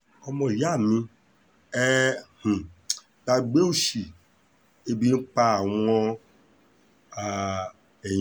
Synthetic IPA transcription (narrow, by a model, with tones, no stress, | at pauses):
ɔ˦mɔ̃˨i˨ja˦˨nũ˧ | ɛ˦hũ˨ | ta˧˨ɡ͡be˦u˦ʃi˨ | e˦bi˦n̩˦k͡pa˦˨wɔ˦ | a˨ | e˨j